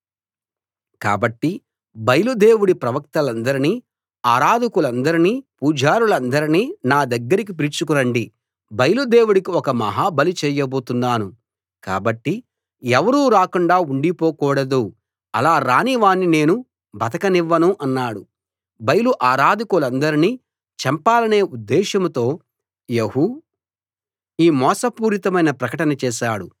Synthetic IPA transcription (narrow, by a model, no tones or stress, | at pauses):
ka̰ːbɐʈːi | bɐjɐlud̪e̞ːwuɽipɾɐʋɐk̚t̪ɐlɐnd̪ɐɾiniː | aːɾaːd̪ikulɐnd̪ɐɾiniːpuːd͡ʒʱaːɾulɐnd̪ɐɾiniːnaːd̪ɐɡːɐɾik̬ip̬iɾit͡ʃukuɾɐɳɖi | bɐjɐlud̪e̞ːwuɽikiɔkɐmɐ̰ɦaːbɐlit͡ʃɛːjɐbo̞ːt̪und̪aːnu | ka̰ːbɐʈːi | ɛʋɐɾuːɾaːkuɳɖaːuɳɖipoːkuːɽɐd̪u | ɐlaːɾaːniʋaːnːine̞ːnu | bɐt̪ɐkɐniʋːɐnuʔɐnːaːɽu | bɐjɐluʔaːɾaːd̪ikulɐnd̪ɐɾiniː | t͡ʃɐmpaːlɐne̞ːud̪ːɛːʃɐmt̪o̞ː | jeɦu | iːmɔːsɐpuːɾit̪ɐmɐjnɐpɾɐkɐʈɐnɐt͡ʃɛːʃaːɽu